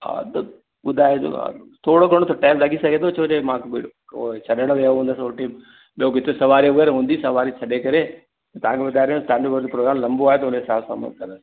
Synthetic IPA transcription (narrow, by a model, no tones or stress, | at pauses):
a̰d̪ | ɡʊd̪ʱaːeo̰t̪ʰoːɽoɡʱɐɽ̃ot̪ʰoʈɛːlɾɐɡisɐɡʱẽːt̪ʰot͡ʃʰoːd͡ʒemãːk | o̰t͡ʃʰɐɗəɽʋeɦũːnd̪əsoʈiːm | ɓiokɪt̪ʰesɐʋaːɾiʊɡeɾɦũːnd̪isɐʋaːɾit͡ʃʰɐɗekɐɾe | et̪ɐãkʰeʋʊd̪ʱaːɾejũsʈãːɳɖəbəɾd̪ipɾoːɡɾaːmlɐmboaːɦet̪ɐʊneɦɪsaːbsa̰mə̰d̪̚kɐnd̪əs